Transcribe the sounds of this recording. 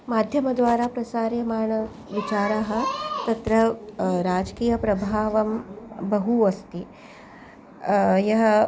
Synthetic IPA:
maːd̪ʱjɐmɐd̪ʋaːɾaːpɾɐsaːɾjɐmaːɳɐ | ʋit͡ʃaːɾaːɦɐ̆t̪ɐt̪ɾɐɾaːd͡ʒkiːjɐpɾɐbʱaːʋɐmbɐɦuɐst̪i | jɐɦɐ

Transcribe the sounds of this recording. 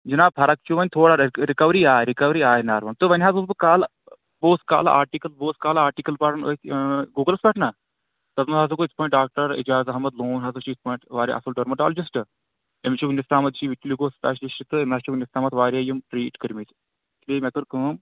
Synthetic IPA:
d͡ʒinaːpʰɐɾɐk̚t͡ʃuʋɐnʲt̪ʰoːɽaɾikɐʋɾiːaːɾikɐʋɾiːaːjnaːɾʋɐnt̪ɨʋɐnʲɦaːzusbɨkaːl | boːska̰ːla̰ːɾʈikɐlboːskaːlaːɾʈikɐlpaɾɐno̰t̪ɡuːɡəlɐspɐʈnaː | t̪ɐzmɐɦaːsɐkoːispɔːĩʈ̚ɖaːk̚ʈɐɾḭd͡ʒaːzɐɦɐmɐd̪loːnɦɐzɐʃiːspɔːjɳʈʋaːɾʲja̰ʔɐ̰sulɖɐɾmɐʈaːld͡ʒisʈɨ | emt͡ʃʰuknist̪aːmɐt̪ʃiʋiʈliɡoːst̪aːʃiʃit̪ɨemaːt͡ʃuknist̪aːmɐt̪ʋaːɾʲajumʈɾiːʈkəɾmit̪ | tliːmek̪uɾkɨm

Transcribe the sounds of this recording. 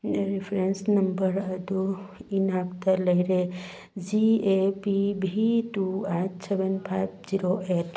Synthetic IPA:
ɾipʰɾensnɐmbəɾɐd̪uinaːkt̪ɐlɐjɾe | d͡ʒiepibʱiʈuaːʈseʋənpʰajpd͡ʒiɾoʔeʈ

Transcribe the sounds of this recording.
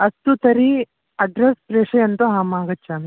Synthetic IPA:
ɐst̪ut̪ɐɾi | ɐɖɾespɾeːʂɐjɐnt̪oɦaːmaːɡɐtːt͡ʃːaːmi

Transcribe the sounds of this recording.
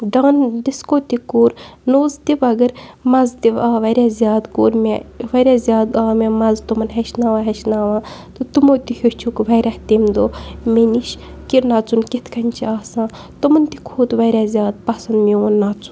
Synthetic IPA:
ɖaːnd̪iskoːt̪ikuːɾnoːzt̪iʋɐɡɐɾmɐzt̪iʋaːʋɐɾʲaːzʲjaːd̪koːɾmeʋɐɾʲaːzʲjaːd̪aːmemɐzt̪umɐnɦɐʃnaːʋaːɦɐʃnaːʋãːt̪ot̪umoːt̪ihʲot͡ʃʰukʋɐɾʲaht̪imd̪oːmeniʃ | kiɾnaːt͡sunkit̪ʰkɐnʲt͡ʃʰiaːsãː | t̪umɐnt̪ikʰuːt̪ʋɐɾʲaːzʲjaːd̪̚pɐsɐnd̪mioːnːaːt͡su̥n

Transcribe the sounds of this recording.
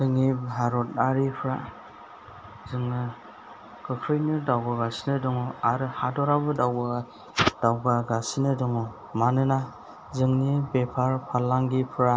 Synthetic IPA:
dɯŋːibʱaɾɔt̚aɾipʰɾa | zɯŋnɯ | kʰɯkʰɾɯjnɯdawɡɯɡasinɯdɔŋɔaɾɯhadɔɾabɯdawɡɯɡa | d̥awɡaɡasinɯdɯŋɔ | manɯna | zɯŋnibepʰaɾpʰalːaŋɡipʰɯɾa

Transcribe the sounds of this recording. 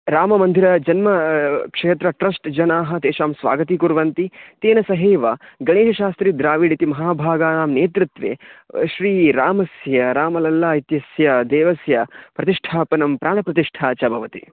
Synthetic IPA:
ɾaːmɐmɐnd̪ʱiɾɐd͡ʒɐnmɐkʂeːt̪ɾɐʈɾɐsʈd͡ʒɐnaːɦɐ̆t̪eːʃaːmsʋa̰ːɡɐt̪ikuɾʋɐnt̪it̪eːnɐsɐɦeːʋɐɡɐɳeːʃɐʃaːst̪ɾid̪ɾaːʋiːɽit̪imɐɦaːbʱaːɡaːnaːmneːt̪ɾɪt̪ʋḛːʃɾiːɾaːmɐsjɐɾaːmɐlɐlːaːit̪jɐsjɐd̪eːʋɐsjɐpɾɐt̪iʂʈʰaːpɐnɐmpɾaːɳɐpɾɐt̪iʂʈʰaːt͡ʃɐbʱɐʋɐt̪ḭ

